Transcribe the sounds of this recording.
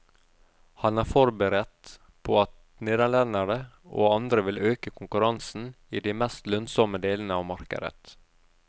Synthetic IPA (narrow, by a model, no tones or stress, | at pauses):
hɑnæːɾfɔɾbəɾɛt̪ | pʰoːɑt̪ | neːd̪æɭɛnəɾə | ʔo̰ːɑnd̪ɾəʋɪløːkəkʰʊŋkʉɾɑnsn̩ | iːd̪iɪmɛst̪lœnsɔməd̪eːlnəɑːʋmɑɾkə̰ɾə̰t̪